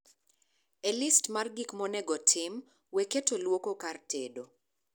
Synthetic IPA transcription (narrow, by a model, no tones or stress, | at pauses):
elistmarɡikmɔnɛɡɔtʰɪm | weketolwokokartʰedo